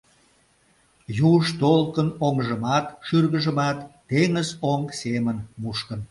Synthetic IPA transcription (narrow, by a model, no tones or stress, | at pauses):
juʃt̪olkənoŋʒəmɑt̪ʃyrɣəʒəmɑt̪ːeŋəzoŋsemənmuʃkən